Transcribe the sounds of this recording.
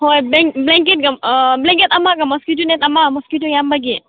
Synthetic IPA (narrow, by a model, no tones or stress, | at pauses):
hojblɛŋblɛŋkɛt̪̚kaməblɛŋkɛt̪amaʔkamɔskutunɛt̪amamɔskut̪ujambaɡiʔ